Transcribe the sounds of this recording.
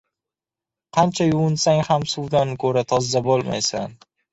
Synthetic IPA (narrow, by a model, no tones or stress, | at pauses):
qʰɑnt͡ʃʰajʊwʊnsaŋhamsuwd̪anɪkʰɵɾat̪ʰɒzːabolˠma̰jsan